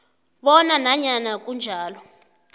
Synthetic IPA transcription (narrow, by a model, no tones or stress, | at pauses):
ɓɔnanaɲanak̬und͡ʒʱaːlɔ